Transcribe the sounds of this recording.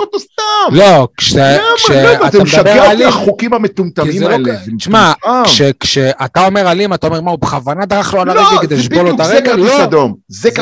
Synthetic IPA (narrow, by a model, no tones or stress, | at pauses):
ot̪ost̪amlokʃekʃeatammd̪beʁaliaχukimamet̪umt̪aimlʃmmaʃekʃeʔat̪ao̞me̞ʁalimat̪ao̞me̞maubeχavanad̪aʁaχloalalʁeɡeed̪eʃbolot̪aʁeeɡkeoad̪omzek